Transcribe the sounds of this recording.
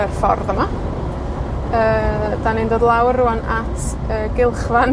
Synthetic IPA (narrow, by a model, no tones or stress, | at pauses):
ɛrfɔ̰rðəma | əːd̥anɪndoːdlˠawruanatʰ | əːɡɪlˠχvan